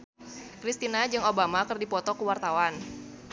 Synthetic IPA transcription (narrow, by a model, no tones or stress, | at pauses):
kɾist̪inad͡ʒɨŋobamakɨrdipɔt̪ɔkəwart̪awan